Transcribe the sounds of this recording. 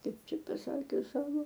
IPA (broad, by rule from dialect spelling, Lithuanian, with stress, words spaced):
ˈkɐɪp ˈt͡ʃʲɛ pɐˈsɑːkʲʊs ˈsɑːʋoː